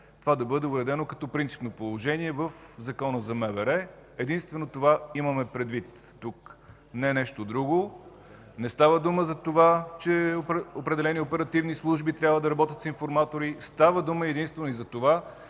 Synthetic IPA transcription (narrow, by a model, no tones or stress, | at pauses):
t̪ovad̪ɐbɤd̪ɛʊɾɛd̪ɛnokɐt̪ɔpɾint̪si̥pnopolˠoʒɛniɛvəfzɐkɔnəzɐmɛvɛɾɛɛd̪inst̪vɛnot̪ovaiməmɛpɾɛd̪vit̪ːuk | nɛnɛʃt̪od̪ɾuɡo | nɛst̪avəd̪uməzɐt̪ovat͡ʃɛopɾɛd̪ɛlɛniopɛɾɐt̪ivnislˠuʒbit̪ɾʲabvəd̪ɐɾɐbɔt̪ʲət̪sinfoɾmat̪oɾist̪avəd̪uməɛd̪inst̪vɛnoizɐt̪ova